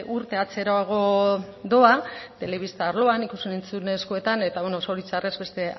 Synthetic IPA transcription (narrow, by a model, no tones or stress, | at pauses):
ʔuɾt̪e̞at͡se̞ɾoaɣ̞o̞d̪o̞at̪e̞le̞β̞ist̪aːɾlo̞anikusenent͡sune̞skoe̞t̪ane̞t̪aβeno̞so̞ɾit͡sare̞zbe̞st̪e̞